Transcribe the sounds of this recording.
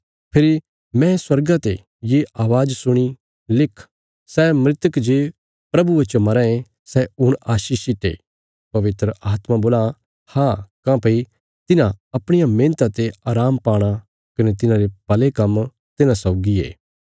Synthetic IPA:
pʰɪɾi | mɛ̃swɐɾɡat̪e | jeʔaːʋaːd͡ʒsʊɽ̃i | lɪkʰ | sɛːmɾɪt̪əkd͡ʒeː | pɾɐbuet͡ʃomɐɾɛ̃ẽ | sɛʊɽ̃aːʃiːʃɪʈḛː | pɐʋɪt̪ɾəaːt̪mãboːlã | haːkãːpɐi | t̪ɪnãɐpɽ̃ɪjamẽːnt̪at̪eaːɾaːmpaːɽ̃a | kɐnet̪ɪnãɾepɐlekɐm | t̪ɪnãsɐʊɡiḛː

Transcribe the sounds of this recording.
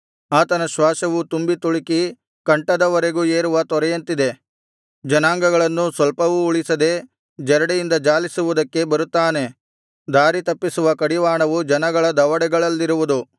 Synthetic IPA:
aːt̪ɐnɐʃʋaːʃɐʋut̪umbit̪uɭiki | kɐɳʈɐd̪ɐʋɐɾe̞ɡueːɾuʋɐt̪ɔɾɛjɐnt̪id̪e̞ | d͡ʒɐnaːŋɡɐɡɐɭɐnːusʋɐlpɐʋuːɭisɐd̪e̞ | d͡ʒɛɾɐɽejind̪ɐd͡ʒaːlisuʋud̪ɐkːe̞bɐɾut̪ːaːne̞ | d̪aːɾit̪ɐpːisuʋɐkɐɽiʋaːɳɐʋud͡ʒɐnɐɡɐɭɐd̪ɐʋɐɽɛɡɐɭɐlːiɾuʋud̪u

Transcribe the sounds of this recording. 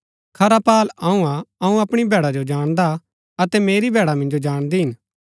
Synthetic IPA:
kʰɐɾapaːlɐũãɐũɐpɽ̃ibʱɛːɽad͡ʒod͡ʒaːɽ̃d̪a | ɐt̪ɛmeːɾibʱɛːɽamɐ̃nd͡ʒod͡ʒaːɽ̃d̪iɦɪn

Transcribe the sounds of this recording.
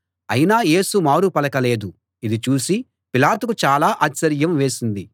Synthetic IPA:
ɐjinaːje̞ːsumaːɾupɐlɐkɐle̞ːd̪u | id̪it͡ʃuːsi | pilaːt̪uk̬ut͡ʃaːlaːʔaːt͡ʃɐɾjɐmʋe̞ːsind̪i

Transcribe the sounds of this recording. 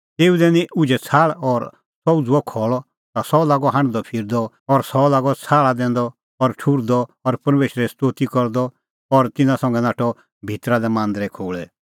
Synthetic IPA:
t̪eːud̪ɛnĩʔʊd͡ʒɛt͡sʰaːɭɔɾ | sɔud͡zʊɔkʰɔːɭɔ | t̪asɔlaːɡɔɦãɳ̃d̪ɔpʰɪɾd̪ɔ | ɔɾsɔlaːɡɔt͡sʰaːɭad̪ɛ̃ːnd̪ɔ | ɔɾʈʰuɾd̪ɔɔɾpɐɾmeːʃɾɛst̪oːt̪ikɔɾd̪ɔ | ɔɾt̪ɪnãsɐ̃ŋɡɛnaːʈʰɔ | bʱit̪ɾad̪ɛmãːnd̪ɾɛkʰoːɭɛ

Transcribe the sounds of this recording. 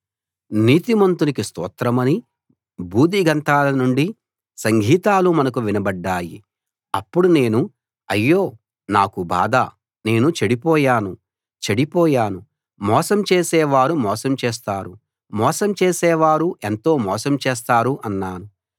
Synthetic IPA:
niːt̪imɐnt̪unikist̪ɔ̰ːt̪ɾɐmɐni | bʱuːd̪iɡɐnt̪aːlɐnuɳɖi | sɐŋɡʱiːt̪aːlumɐnɐk̬uʋinɐbɐɖːaːjḭ | ɐpːuɽune̞ːnu | ɐjːo̞ː | naːkuba̰ːd̪a | ne̞ːnut͡ʃeɽipɔːjaːnu | t͡ʃeɽipɔːjaːnu | mɔːsɐmt͡ʃeːsɛːʋaːɾumɔːsɐmt͡ʃɛːs̬t̪aːɾu | mɔːsɐmt͡ʃeːsɛːʋaːɾuʔe̞nt̪o̞ːmɔːsɐmt͡ʃɛːs̬t̪aːɾuʔɐnːaːnu

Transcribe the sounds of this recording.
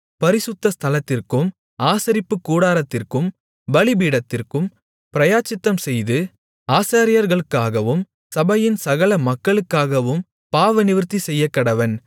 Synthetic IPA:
pɐɾɪsʊt̪ːɐst̪ʰɐlɐt̪ːɪrkɯm | aːsɐɾɪpːɯkːuːɽaːɾɐt̪ːɪrkɯm | ʋɐɭɪbiːɽɐt̪ːɪrkɯm | pɪɾɐjaːt͡ʃːɪt̪ːɐmsɛjðɯ | aːsaːɾɪjɐɾɣɐɭɯkːaːɣɐʋɯm | sɐbɐjɪnsɐɣɐlɐmɐkːɐɭɯkːaːɣɐʋɯm | paːʋɐnɪʋɯɾt̪ːisɛjːɐkːɐɽɐʋɐn

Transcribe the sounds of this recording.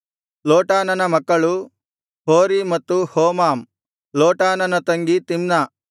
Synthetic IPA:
loːʈaːnɐnɐmɐkːɐɭu | hoːɾimɐt̪ːuhoːmaːm | loːʈaːnɐnɐt̪ɐŋɡit̪imnɐ

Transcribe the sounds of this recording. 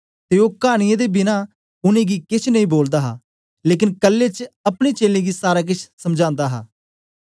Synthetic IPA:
t̪eːoːkaːɽ̃ɪjãːd̪eːbɪnaː | ʊnẽːɡiːkɪt͡ʃʰnəĩːboːld̪aːɦaː | leːk̬ɪnkəlːeːt͡ʃəpɽ̃iːt͡ʃeːlẽːɡiːsaːɾaːk̬ɪt͡ʃʰsəmd͡ʒãːnd̪aːɦaː

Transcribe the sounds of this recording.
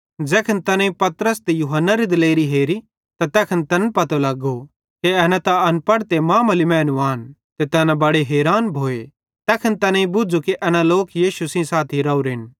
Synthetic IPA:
d͡ʒɛːkʰɐnt̪ɐnãĩpɐt̪ɾəst̪ejuɦənːaɾid̪ɪleːɾiɦeːɾi | t̪at̪ɛːkʰɐnt̪ɐnpɐt̪olɐɡo | keɛːnãt̪aɐnpɐɽt̪emãːmɐlimɛ̃ːnuaːn | t̪et̪ɐnãbɐɽeɦeːɾaːnbʱoːe | t̪ɛːkʰɐnt̪ɐnãĩbʊd͡ʒukeʔɛːnãloːkjiːʃusĩsaːt̪ʰiɾɐuɾɪn

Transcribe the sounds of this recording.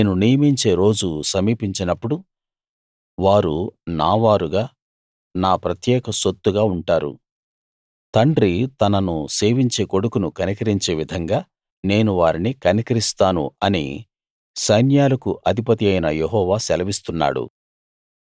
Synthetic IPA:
neːnunijɐmiɲt͡ʃe̞ːɾo̞ːd͡ʒusɐmiːpiɲt͡ʃinɐpːuɽu | ʋaːɾunaːʋaːɾuɡaː | naːpɾɐt̪jɛːkɐsot̪ːuɡaːuɳʈaːɾṵ | t̪ɐɳɖɾit̪ɐnɐnuse̞ːʋiɲt͡ʃe̞ːko̞ɽukunukɐnikɐɾiɲt͡ʃe̞ːʋid̪ʱɐŋɡaː | ne̞ːnuʋaːɾinikɐnikɐɾist̪aːnṵɐnḭ | sɐjnjaːlɐkuʔɐd̪ʱipɐt̪iɐjnɐjeɦɔːʋaːsɛlɐʋist̪unːa̰ːɽṵ

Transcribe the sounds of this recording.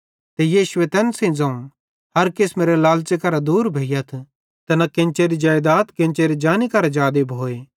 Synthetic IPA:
t̪ejiːʃʊet̪ɛːnsẽĩd͡zɐ̃ːũ | ɦɐɾkɪsmeːɾelaːlt͡ʃekɐɾad̪uːɾbʱeːjɐt̪ʰ | t̪ɐnakɪ̃nt͡ʃeɾid͡ʒaːjd̪aːt̪kɪ̃nt͡ʃeɾid͡ʒaːnikɐɾad͡ʒaːd̪ebʱoːeː

